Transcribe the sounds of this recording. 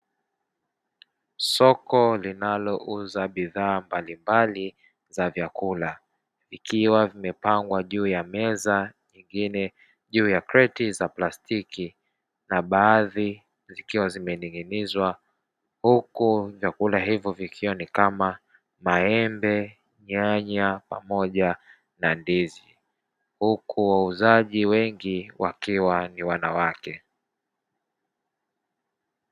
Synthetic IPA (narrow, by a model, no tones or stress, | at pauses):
sɔkɔlinalɔʔuzaɓiðaːmbalimbali | zavjakula | vikiwavimɛpaŋɡwaʄuːjamɛzaɲiŋɡinɛ | ʄuːjakɾɛtizaplastiki | naɓaːði | zikiwazimɛniŋɡinizwa | hukuvjakulaɦivjɔvikʰiwanikama | maɛmbɛ | ɲaɲapa̰mɔʄa | nandizi | hukʰuwauzaʄiwɛŋɡiwʔakiwaniwanawakɛ